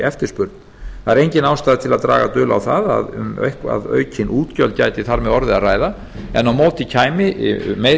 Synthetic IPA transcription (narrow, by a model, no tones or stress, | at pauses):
ɛft̪ɪɾspʏɾt̪̚n | aɾejɲcɪnawst̪ajðɪt̪ʰɪlaðt̪ɾa̰ːɣat̪ʏːla̰wθaða̰ðʏ̰m̰jhka̰ðœ̰ːɥcʰɪnʔuːt̪cœlt̪ca̰jt̪ɪθaɾmɛðɔɾðɪaraːjða | ɛnawmoːwt̪icʰaːjmɪme